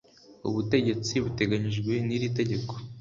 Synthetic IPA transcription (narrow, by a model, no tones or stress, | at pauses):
ṵβute̞ɟe̞t͡siβute̞ɡaɲiʒɡwe̞niɾit̬e̞ɟe̞ko̥